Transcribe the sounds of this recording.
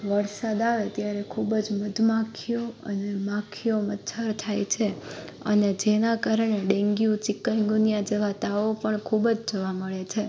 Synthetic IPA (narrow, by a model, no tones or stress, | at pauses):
ʋəɾsad̪aʋet̪jaɾekʰubd͡ʒməd̪ʱmãkʰijoə̰nemãkʰijomət̪t͡ʃʰaɾt̪ʰajt͡ʃʰe | ə̰ned͡ʒenakaɾəɳeɖẽŋɡijũt͡ʃɪkːajŋɡunijãd͡ʒeʋat̪aopəɳkʰubd͡ʒd͡ʒəʋaməɭet͡ʃʰe